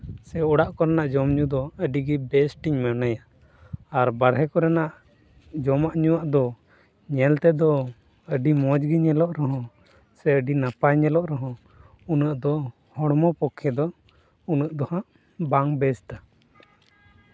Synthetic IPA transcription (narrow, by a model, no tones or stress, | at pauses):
sɛɔɽaʔkɔɾɛnaʔd͡ʒɔmɲud̪ɔəɖiɡɛbɛsʈiɲmɛnajaː | ɾbaɾɦɛkɔɾɛnaʔ | d͡ʒɔmaʔɲuwaʔd̪ɔ | ɲɛlt̪ɛd̪ɔ | əɖimɔd͡ʒɡiɲɛlɔʔɾɛɦɔ̃ | sɛəɖinapaɲɛlɔʔɾɛɦɔ̃ | unəʔd̪ɔ | hɔɽmɔpɔkʰːɛd̪ɔ | unəʔd̪ɔhãʔ | baŋbɛst̪a